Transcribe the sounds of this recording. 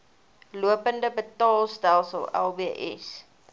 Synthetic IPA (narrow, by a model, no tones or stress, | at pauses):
luəpəndəbətɑːlˠsdælˠsəlˠɛ̰lˠbiəʔɛ̰s